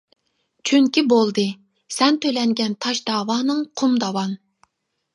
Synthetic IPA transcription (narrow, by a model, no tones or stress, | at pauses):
t͡ʃʰyŋkʲibolˠd̪ɨ | sɛnt̪ʰølɛŋɡʲɛnt̪ʰɑʃd̪ɑːwɑːnɨŋqʰumd̪ɑwɑn